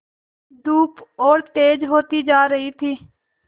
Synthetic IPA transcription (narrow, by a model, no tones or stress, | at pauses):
d̪uːpoːɾʈeːd͡ʒɦoːt̪iːd͡ʒaːɾəɦiːt̪ʰiː